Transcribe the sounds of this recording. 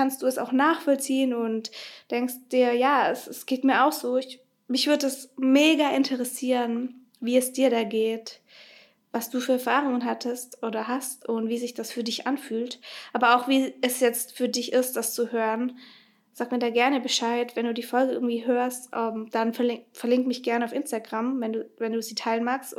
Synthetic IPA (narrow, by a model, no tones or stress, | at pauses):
kʰanst̚d̥uːɛsa̰ʊxnaːxfɔlt͡siːənʊntd̥ɛŋkst̚d̥iːɐjaːɛsɛsɡ̥eːtmiːɐʔaʊxz̥oːɪç | mɪçv̥ʏɐdədasmeːɡaʔɪntʰəʁɛsiːʁən | viːɛsd̥iːɐɾaːɡeːt | vasd̥uːfyːɐɛɐfaːʁ̞ʊŋənɦatʰəstʔoːdɐɦastʔʊntv̥iːzɪçd̥asfyːɐdɪçʔanfyːltʔaːbɐaʊxv̥iːɛsjɛt͡stfyːɐdɪçʔɪst̚d̥ast͡suhøːʁən | zaːkmiːɐdaːɡɛɐnəbəʃaɪtvɛnduːdiːfɔlɡəʔɪɐɡŋ̩tv̥iːɦøːɐstʔɛmd̥anfɛɐlɪfɛɐlɪŋktmɪçɡ̥ɛɐnəaʊfɪnstaɡʁamvɛnduːvɛnduːziːtʰaɪlənmaːkst